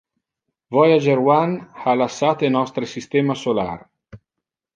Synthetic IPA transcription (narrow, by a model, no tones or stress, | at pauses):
vɔjad͡ʒeɾwanhalasːaːt̪enɔst̪ɾesist̪ɛːmasola̰r